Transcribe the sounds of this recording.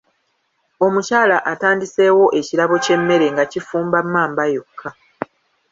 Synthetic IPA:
o̞mucaːlaʔataːndise̞ːwo̞ʔe̞cilaβo̞ce̞mːe̞ɾe̞ŋɡacifuːmbamːaːmbajokʰːa

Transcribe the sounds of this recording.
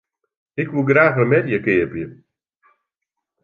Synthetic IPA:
ɪkʋuɡɾaːxərmɛdjəkɪəpjə

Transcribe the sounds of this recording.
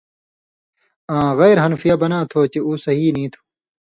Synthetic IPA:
ãːɣeːɾɦɐnfijaːbɐnãːt̪ʰoːt͡ɕeuːsɐɦiːnĩːt̪ʰu̥

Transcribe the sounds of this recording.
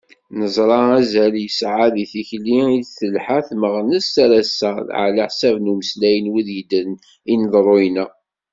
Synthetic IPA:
nəzˤɾˤɑæzæljəsʕaðiθiçliiθəlħaθməʁnəsaɾæsːəðʕaləħsævnuməslæjənwiðjəd̪ən | inəðˤɾˤojnæ

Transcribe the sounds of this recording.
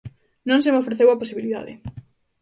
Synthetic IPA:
nõŋsemofɾeθewaposiβiliða̰ðɪ̰

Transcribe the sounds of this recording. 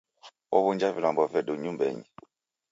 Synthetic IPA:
ɔ̰βund͡ʒavilambɔvɛduɲumbɛ̰ɲi

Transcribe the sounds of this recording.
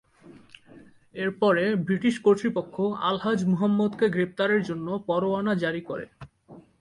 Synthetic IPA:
eɾpɔɾebɾiʈiʃkoɾt̪ɾipokʰːoa̰lɦad͡ʑmuɦamːod̪keɡɾep̚t̪aɾeɾd͡ʑonːopɔɾoanad͡ʑaɾikoɾḛ

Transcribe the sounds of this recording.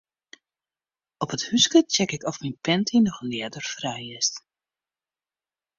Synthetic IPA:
ɔpəthyskət͡ʃɛkɪkɔfminpɛntʰinɔxlɪədərfrɛjɪst

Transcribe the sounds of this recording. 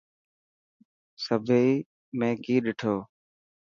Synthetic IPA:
səbʱei | mẽːkiːɗɪʈʰoː

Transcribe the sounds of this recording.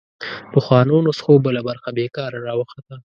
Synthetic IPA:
l̥əxwɑnonosxobəlabaɾxabekɑɾaɾɑwəxat̪a

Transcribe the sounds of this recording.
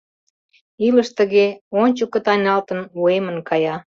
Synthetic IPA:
iləʃt̪əɣeonʲt͡ɕəkə̆t̪ɑjnɑlt̪ə̆nuemənkɑjɑ

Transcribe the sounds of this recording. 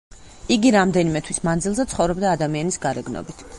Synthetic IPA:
iɡiɾamd̪ɛnimɛt̪ʰwismand̪zilˠzɛt̪sχɔvɾɔbd̪aːd̪amianisɡaɾɛɡnɔ̰bit̪ʰ

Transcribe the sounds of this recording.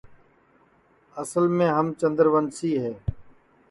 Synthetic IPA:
əsəlmẽːɦəmt͡ʃə̃nd̪əɾʋənsiːɦɛː

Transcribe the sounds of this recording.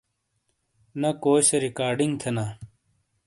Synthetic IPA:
nɐkoːɕɐɾikaːɾɖiŋɡt̪ʰena

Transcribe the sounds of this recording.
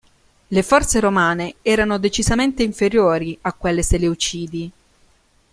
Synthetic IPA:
lefɔrt̪seɾomaːneɛːɾanod̪et͡ʃizament̪eiɱfeɾjoːɾiakːwelːeseleut͡ʃiːd̪i

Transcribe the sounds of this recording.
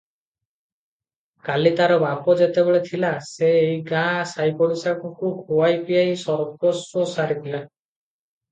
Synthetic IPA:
kalit̪aɾɔbapɔd͡ʒet̪ebeɭet̪ʰilaseːjɡãsajpɔɾisakɔkuɡʱoajpijajsɔɾkɔsɔsaɾit̪ʰila

